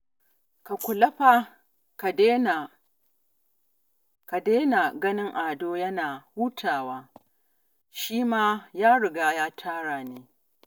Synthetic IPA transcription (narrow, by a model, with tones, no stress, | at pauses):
ka˨kʷʊ˨lɐ˦ɸa˨ | ke˦na˨ | ka˨deː˦na˨ɡɐ˦nɪ˦ŋʔaː˨doː˦jɐ˦naː˨huː˦tʰaː˨waː˦ | ʃiː˦maː˦jaː˦ɽɪ˨ɡaː˦jaː˦tʰaː˦ɽaː˨neː˦